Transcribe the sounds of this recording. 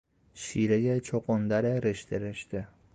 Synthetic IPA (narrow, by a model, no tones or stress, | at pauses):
ʃiɾaɡʲat͡ʃʰoqond̪aɾɪɾɪʃt̪ʰɪɾɪʃt̪ɪ